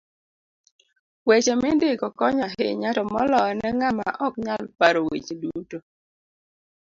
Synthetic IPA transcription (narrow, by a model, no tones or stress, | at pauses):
wet͡ʃemɪndɪkɔkɔɲaɦɪ̰ɲatɔmɔlɔnɛŋamaʔɔkɲalpaɾowḛt͡ʃeduto